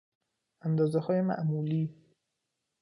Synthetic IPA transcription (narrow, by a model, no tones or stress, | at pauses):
ʔænd̪ɒːzehɒːjemæ̰ʔmuːliː